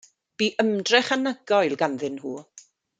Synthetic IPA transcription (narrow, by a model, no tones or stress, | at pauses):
b̥iːʔəmdrɛχanəɡɔjlˠɡanðɪnhuː